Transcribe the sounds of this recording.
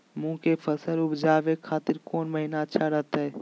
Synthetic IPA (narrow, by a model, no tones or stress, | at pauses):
mũːkefʰəsəlʊbd͡ʒaːʋekʰaːt̪ɪɾkoːnmɐɦinaɐtːʃʰaɾɐɦt̪aɦɛː